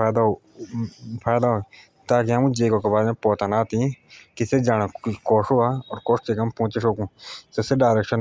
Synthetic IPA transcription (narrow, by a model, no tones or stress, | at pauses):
aːd̪a | pʰaːjd̪aɦoː | t̪aːk̬iəmũːd͡ʒeːkõːkebaːɾẽpoːt̪anaːt̪ikised͡ʒaːnakoːʂoaːɔːɾkoːʂt͡ʃeːkəmpõːt͡ʃeʃoːkũːseseɖaːɾekʃən